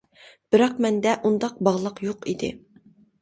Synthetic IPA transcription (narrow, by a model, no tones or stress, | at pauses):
b̥ɪɾɑq̚mɛnd̪ɛʔund̪ɑq̚bɑʁlˠəqjoqid̪ɪ̰